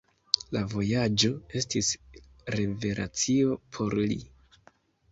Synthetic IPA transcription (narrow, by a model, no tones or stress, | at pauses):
lavo̞jad͡ʒo̞e̞stis | ɾe̞ve̞ɾʔa̰t͡sio̞pʰo̞ɾlḭ